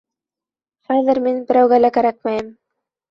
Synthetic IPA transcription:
haðɪɾmenpəɾawɡalakaɾak̚majəm

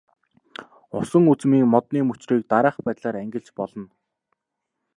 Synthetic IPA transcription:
ʊsə̆ŋut͡smiːŋmɔt̪niːmɵt͡ɕriːk̚t̪aɾaːχpæːt̪ɮaːɾæŋɡʲɪ̆ɬt͡ɕpɔɮɞ̆n

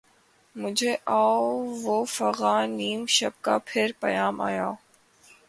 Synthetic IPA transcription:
mʊd͡ʒʱeːʔaːoʋoːfəɣaːniːmʃəb̚kaːpʰɪɾpəjaːma̰ːjaː

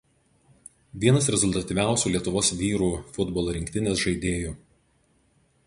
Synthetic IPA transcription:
ʋʲiɛnɐsɾʲɛzʊlʲˠt̪ɐt̪ʲiʋʲæˑʊsʲuːlʲiɛt̪ʊʋoːsʋʲiːɾuːfʊd̪bɔlˠoːɾʲɪŋʲkt̪ʲɪnʲeːsʒɐɪd̪ʲeːjuː

